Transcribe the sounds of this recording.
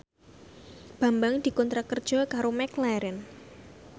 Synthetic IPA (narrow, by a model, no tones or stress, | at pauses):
b̥a̤mbaŋd̪̥i̤kɔnt̪ɾakərd̥ʒ̥ɔkaɾomɛklaɾɛn